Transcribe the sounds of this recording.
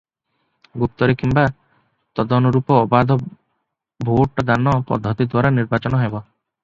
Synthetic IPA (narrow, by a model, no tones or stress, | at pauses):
ɡup̚t̪ɔɾekimba | t̪ɔd̪ɔnɔɾupɔːbad̪ʱɔ | bʱoʈɔd̪anɔpɔ̰d̪ʱːɔt̪id̪waɾaniɾbat͡ʃɔnɔɦebɔ